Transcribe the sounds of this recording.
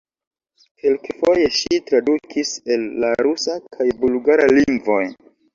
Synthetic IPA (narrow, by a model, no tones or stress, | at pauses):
kelkefo̞je̞ʃitɾadukʰise̞lːaɾusakʰajbulɡaɾaliŋɡvo̞j